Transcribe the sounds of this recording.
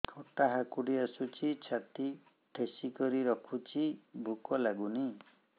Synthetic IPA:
kʰɔʈaɦakuɽiasut͡ʃʰit͡ʃʰat̪i | ʈʰesikɔɾiɾɔkʰut͡ʃʰibʱukɔlaɡuni

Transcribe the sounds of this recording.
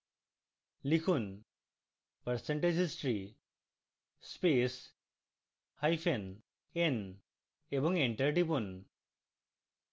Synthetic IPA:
likʰun | pəɾseɳʈed͡ʑisʈɾi | spes | hajpʰen | en | ebɔŋeɳʈɐɾʈipun

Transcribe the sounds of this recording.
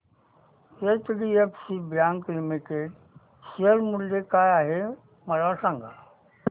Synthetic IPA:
etɖiepsibjãːŋklimiʈeɖ | siəɾmuld̪ekaːjaːɦe | mɐɾasãŋɡʱa̰

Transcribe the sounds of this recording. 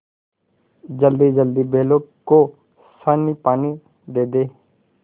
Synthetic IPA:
d͡ʒəld̪iːd͡ʒəld̪ibʱeːlõko | sanipaːni | d̪eːd̪eː

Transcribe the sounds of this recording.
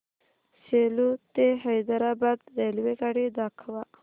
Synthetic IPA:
selut̪eɦajd̪aɾabad̪delwekaɽid̪akʰwa

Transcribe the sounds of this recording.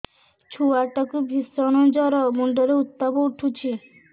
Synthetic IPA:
t͡ʃʰuaʈɔkuɡʱisɔñɔ̃d͡ʒɔɾɔmuɳɖɔɾeut̪ːɔbɔʈʰut͡ʃʰi

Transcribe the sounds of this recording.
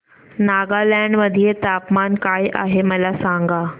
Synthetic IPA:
naɡalaɳɖməd̪ʱijet̪apmankajʔaɦeməlasaŋɡa

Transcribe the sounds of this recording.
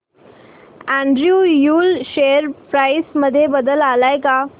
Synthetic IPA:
æ̃ɳɖɾjuːjuːlɕejəɾpɾajsməd̪ʱːjebəd̪əlalajka

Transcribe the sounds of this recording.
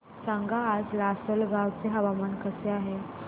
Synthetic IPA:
sãŋɡaːd͡zlasəlɡawt͡seɦəʋamankəseaɦe

